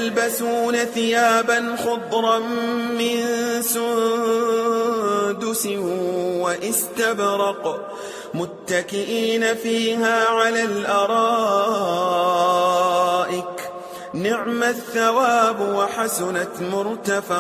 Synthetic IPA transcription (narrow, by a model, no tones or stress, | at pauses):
ʔlbasuːnaθɪjaːbanxʊd̪ˤɾˤɑmɪnsʊn | d̪ʊsɪwaʔɪst̪abɾɑq | mʊt̪ːakɪʔiːnafiːhaːʕalaːlʔɑɾˤɑː | ʔɪk | nɪʕmaθːawaːbwaħasʊnamʊɾˤt̪afa